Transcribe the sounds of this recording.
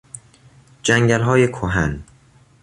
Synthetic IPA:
d͡ʒæŋɟælɦɒːjekʰoɦæ̰n

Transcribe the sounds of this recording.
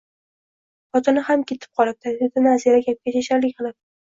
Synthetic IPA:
pɒt̪ʰɪnɪhamkʲʰe̞t̪ʰɪ̥p̚qʰɒlˠɪb̚d̪ad̪ed̪anaziɾaɡʲap̚kʲat͡ʃaʃaɾlɪkʲqɨlˠɪp̚

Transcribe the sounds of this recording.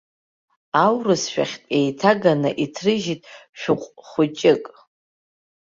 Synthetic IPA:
awrɨsʃᶣa̰χʲtʼe̞jtʰaɡanɨʔitʰrɨʒitʼʃᶣʊqʷʼχʷʊt͡ʃʼɪkʼ

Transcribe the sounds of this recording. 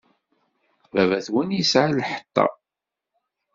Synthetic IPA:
vævæθwinjəsʕalːħə̥t̪ˤːɑ̰

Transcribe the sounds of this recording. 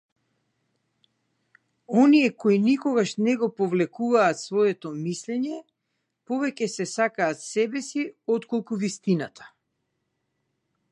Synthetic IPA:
ɔniɛkoinikɔɡaʃnɛɡɔpɔvlɛkuvaːt̪svɔɛt̪ɔmislɛɲɛ | pɔvɛcɛsɛsakaːt̪sɛbɛsiɔt̪kɔlˠkuvist̪inat̪ʰḁ

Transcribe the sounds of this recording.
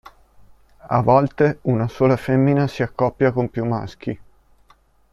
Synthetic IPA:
a̰vɔlt̪eunasoːlafemːinasiakːɔpːjakompjumːa̰sk̟i

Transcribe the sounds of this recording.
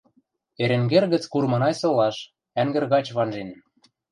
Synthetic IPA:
eɾĕŋɡerɣə̆t͡skurmɤ̆nɑjsŏlɑʃ | æŋɡɘ̆rɣɑt͡ɕβɑnʒen

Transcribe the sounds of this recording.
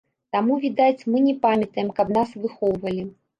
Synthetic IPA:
t̪amuvʲid̪at͡sʲmɨnʲɛpamʲɐt̪ɐjɛmkɐbnasvɨxɔwvɐlʲi

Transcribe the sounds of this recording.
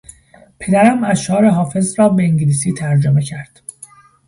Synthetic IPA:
pʰe̞d̪æɾæmæzʃɒːɾeɦɒːfe̞zɾɒːbeiŋɟiliːs̬iːt̪ʰæɾd͡ʒome̞cʰæɾd̪̥

